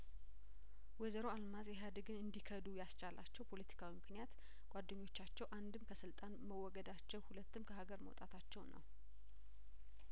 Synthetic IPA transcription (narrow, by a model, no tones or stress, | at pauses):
wezəɾo̞almazjɛɦad̪ɡɨnɨnd̪ikʰəd̪ujast͡ʃalʔa̰t͡ʃːɛwpʰo̞lət̪ʰi̥kʰawimɨknijat̪ | ɡ̥ʷad̪ːəɲːo̞t͡ʃːat͡ʃːɛwʔand̪ɨmkʰəsɨlt̪ʼanməwːɔɡəd̪at͡ʃːɛwhulət̪ːɨmkʰəhaɡəɾmə̰wt̪ʼat̪ʰat͡ʃːɛwnːə̰w